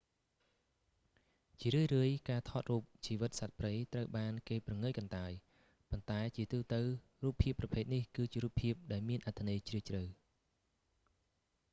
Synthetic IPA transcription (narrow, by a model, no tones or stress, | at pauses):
t͡ɕiəɾɨəjrɨəjkaːt̪ʰɑːt̪̚ruːp̚t͡ɕiːʋɨt̪̚sat̪̚prɨjt̪rəwɓaːnkeːprɑŋɨjkɑnt̪aəj | pont̪aɛt͡ɕiət̪uːt̪ɨw | ruːpʰːiəpːrɑpʰeːt̪̚nihkɨːt͡ɕiəɾuːpʰːiəp̚ɗaɛlmiənʔat̪ʰːanɨːjt͡ɕriət͡ɕrɨw